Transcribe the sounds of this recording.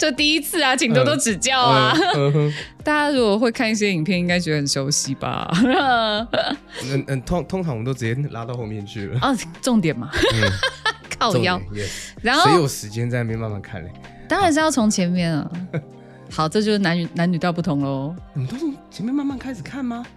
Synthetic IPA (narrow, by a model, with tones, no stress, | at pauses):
ʈ͡ʂə˥˧t̪i˥˩i˦˥t͡sʰɹ̩˥˩a˨˩t͡ɕʰi˨ŋt̪o˥t̪o˥ʊʈ͡ʂɻ̩˨˩t͡ɕjɑ˥˩ʊa˨˩˧ | t̪a˥˧t͡ɕa˥˩ɻu˧˥ɔ˨˩xwe˥˧ɪkʰa˥˧ni˥˩ɕ̬jɛ˥i˨˩ŋpʰjɛ˥˨ni˥ŋka˥ɪt͡ɕjwɛ˧˥d̪ə˧hə˨˩nʂo˧˥ʊɕi˨˦ba̰˨ | ə˨˩nə˨nt̪ʰo˧˥ŋt̪ʰŋʈ͡ʂʰɑ˧˦ŋwt̪o˥ʊɻ̩˨˩t͡ɕjɛ˥la˥t̪ɑ˥˧ʊxo˥˧mjɛ˥˧nt͡ɕʰy̰˥˩lə̰˩˥˨ʈ͡ʂo˥˩ŋt̪jɛ˨˩nma˦ | kʰɑ˥˩ʊjɑ˥˨ʊ˨ɻa˧˦nxo˥˨˧i˨˥jwɔ˨˩ʂɻ̩˧˦t͡ɕjɛ˦nt͡sa˥˩na˨˥mjɛ˥˧˨ma˥˧nma̰˥˩nkʰa̰˥˩na̰˨˩ | t̪ɑ˥ŋɻa˨˧nʂ̬̩˥jɑ˥˩ʊt͡sʰo˧˥ŋt͡ɕʰjɛ˧˥nmjɛ˥˩nɐ̰˩ | xɑ˨˩ʊʈ͡ʂɤ˥˧t͡ɕjo˥˧ʂ̩˥na˧˥ny˨˩na˧˦ny˨˩t̪jɑ˥˧p̬u˥˩t̪ʰʊ˧˥ŋlə˧˦˨t̪wo˥˧˨t͡ɕʰjɛ˧˥mjɛ˥˧ma˥˧nma˥˩nkʰa˥ɪʂɻ̩˨˩kʰa˥˩nma˨